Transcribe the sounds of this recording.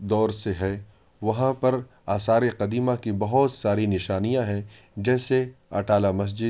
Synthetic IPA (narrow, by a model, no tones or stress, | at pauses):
d̪ɔːɾseɦɛː | ʋɐɦãpɐɾ | aːsaːɾeqɐd̪iːmãkibɐɦɔt̪saːɾinɪʃaːnijãɦɛ̃ | d͡ʒɛːseɐ̰ʈaːlamɐs̬d͡ʒɪ